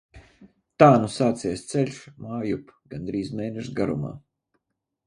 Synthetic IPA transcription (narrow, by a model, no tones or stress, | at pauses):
t̪aːnusaːt̪sijɛst̪sɛlʲʃmaːjupɡand̪ɾiːzmeːnɛʃɡaɾṵma̰ː